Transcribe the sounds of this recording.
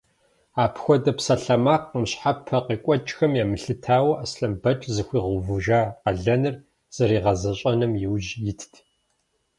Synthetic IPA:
aːpʰxʷɔdɐpsɐɬɐmaːqːəmɕħapʰːɐqiːkʷʼɔt͡ʃʼxɐmjaːmɨɬɨtʰaːwɐʔɐsɬɐmbɐt͡ʃʼzɨxʷiːʁʊvuʒaːqɐɮɐnɨr | z̥ɐɾiːʁɐzɐɕʼɐnɨmjɪwʒjɪtʰtʰ

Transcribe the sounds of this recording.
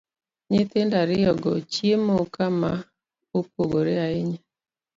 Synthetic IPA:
ɲɪt̪endaɾɪjɔɡɔ̰t͡ʃjemokama | op̚oɡoɾeaɪɲa

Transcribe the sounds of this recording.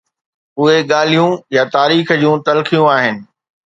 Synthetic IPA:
ʊɦeɠaːl̤ijũjat̪aːɾiːxd͡ʑũːt̪ɐlxijũaːɦɪnɪ̆

